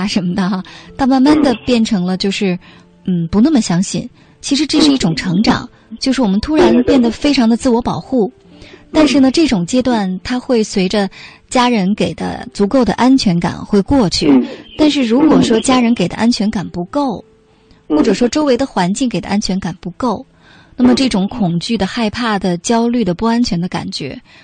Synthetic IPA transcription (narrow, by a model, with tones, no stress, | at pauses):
a˩ʂə˧˥nmə˧d̪ə˧ɐ˧t̪ʰa˥˧ma˥˧nma˥˩nd̪ə˨pjɛ˥˩nʈ͡ʂʰɤ˧˥ŋlə˧t͡ɕjo˥˧ʊʂɻ̩˥˩ | n̩˥˩pu˧˥nə˥˩mə˩ɕjɑ˥ŋɕi˥˩n | t͡ɕʰi˧˥ʂɻ̩˧˥ʈ͡ʂɤ˥˧ʂɻ̩˥˧i˥˩ʈ͡ʂʊ˨˩ŋʈ͡ʂʰɤ˧˥ŋʈ͡ʂɑ̰˨˩˦ŋ | t͡ɕjo˥˧ʊʂɻ̩˥˩wɔ˨˩mə˦nt̪ʰu˥ɻa˧˥npjɛ˥˩nd̪ə˩fe˥ɪʈ͡ʂʰɑ˧˥ŋd̪ə˧t͡sɹ̩˥˩wɔ˧˥pɑ˨˩ʊxu˥˩ | t̪a˥˧nʂɻ̩˥˩nə˩ʈ͡ʂɤ˥˩ʈ͡ʂʊ˨˩ŋt͡ɕjɛ˥t̪wa˥˩nt̪ʰa˥xwe˥˩ɪswe˧˥ɪʈ͡ʂə˧ | t͡ɕja˥ɻə˧˥nke˨˩ɪd̪ə̰˦t͡su˧˥ko˥˩ʊd̪ə̰˩ʔa˥nt͡ɕʰɥɛ˧˥nka̰˨˩nxwe˥˧ɪkwɔ˥˧t͡ɕʰy˥˩t̪a˥˧nʂ̬ɻ̩˥˩ɻu˧˥kwɔ˨˩ʂwɔ˥t͡ɕja˥ɻə˧˥nke˨˩ɪd̪ə̰˦ʔa˥nt͡ɕʰɥɛ˧˥nka˨˩npu˧˥ko˥˩ʊ | xwɔ˥˩ʈ͡ʂɤ˨˩ʂwɔ˥ʈ͡ʂo˥ʊwe˧˥ɪd̪ə˧xwa˧˥nt͡ɕi˥˩ŋke˨˩ɪd̪ə̰˦ʔa˥nt͡ɕʰɥɛ˧˥nka˨˩npu˧˥ko˥˩ʊ | na˥˩mə˩ʈ͡ʂɤ˥˩ʈ͡ʂʊ˨˥ŋkʰʊ˨˩ŋt͡ɕy˥˩d̪ə˩xa˥˧ɪpʰa˥˩d̪ə˩t͡ɕjɑ˥ʊly˥˩d̪ə˩pu˥˩a˥nt͡ɕʰɥɛ˧˥nd̪ə˧ka̰˨˩nt͡ɕɥɛ̰˧˥